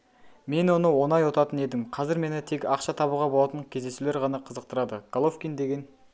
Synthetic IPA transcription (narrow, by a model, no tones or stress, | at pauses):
me̞nwo̞nəwo̞nɑjwot̪ɑt̪əne̞d̪ɪmqʰɑzɪɾme̞nɪt̪ʰe̞kʲɑqʃɑt̪ʰɑβuʁɑbo̞lˠɑt̪ənkʲʰe̞zd̪e̞sule̞ɾʁɑnɑqʰəzəq̚t̪əɾɑd̪əɡ̥alˠofkʲijnd̪e̞ɡʲe̞n